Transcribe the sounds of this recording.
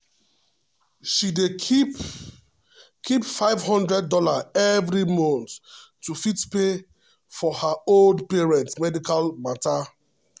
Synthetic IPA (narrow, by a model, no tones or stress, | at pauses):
ʃide | kʰipfaɪvhɔ̃ndɹɛdːɔlaɛvɹimɔ̃ntːufitpe | fɔhaoldpeɹɛ̃ntsmɛdikalmata